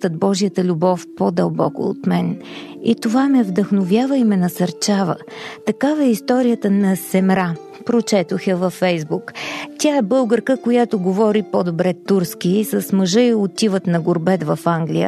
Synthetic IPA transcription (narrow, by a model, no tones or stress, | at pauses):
t̪əd̪̚bɔʒijət̪əlʲubɔfpod̪əlˠbɔ̰kʊ̰ːt̪mɛn | it̪ovamɛvd̪əxnovʲjavəimɛnɐsɐɾt͡ʃavə̰ | t̪ɐkavəɛist̪ɔɾijət̪ənɐsɛmɾa | pɾot͡ʃɛt̪oxəvɐfːɛjzbukt̪ʲaɛbɤlˠɡəɾkəkojat̪oɡovɔɾipod̪obɾɛt̪ːuɾsk̟iisəsməʒɤiot̪ivət̪nɐɡoɾbɛt̪vɐfaŋɡlʲijə̰